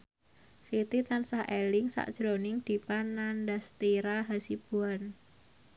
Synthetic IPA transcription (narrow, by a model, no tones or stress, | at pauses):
sit̪it̪ansahʔelɪŋsa̰ʔd̥ʒ̥ɾonɪŋd̪̥i̤panandast̪iɾaɦasib̥uan